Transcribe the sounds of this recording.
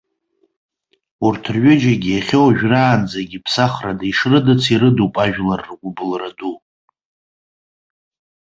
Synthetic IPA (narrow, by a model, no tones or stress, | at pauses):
urtʰrɥʊd͡ʒaɡʲijaχʲowaʒᶣraːnd͡zaɡʲipʰsaχradaiʂrɨdɨt͡sʰiɾɨdupʼaʒᶣlarːɡʷʊbɨlradu